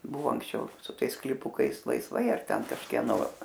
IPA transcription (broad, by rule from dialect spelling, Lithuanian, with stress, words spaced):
ˈbʊʋoː ɐŋksʲˈt͡ʃʲɛʊ sʊ ˈtɐɪs sklʲiːˈpʊkɐɪs lˠɐɪsˈʋɐɪ ɐr ˈtʲɛn kɐʃʲkʲiɛˈnoː